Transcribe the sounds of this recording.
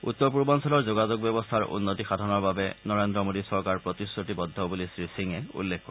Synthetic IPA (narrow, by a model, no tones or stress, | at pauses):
ṵt̪ːɔpuɹbɔnsɔlɔɹzoɡazoɡ̚bɔbɔst̪ʰaɹʔṵnːotixadʱɔnɔɹbabɛnɔɹendɹɔmodisɔɹkaɹpɹɔt̪isːotibɔd̪ʱːɔbulisɹisiŋɛṵlːekʰːɔɹɛ